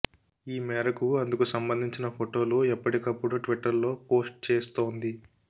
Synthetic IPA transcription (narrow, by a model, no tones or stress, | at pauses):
iːmɛːɾɐkuɐnd̪ukusɐmbɐnd̪ʱiɲt͡ʃinɐpʰoʈo̞ːloɛpːɐʈikɐpːuɽuʈʋiʈːɐɾlo̞ːpo̞ːsʈ̚t͡ʃeːst̪o̞ːnd̪i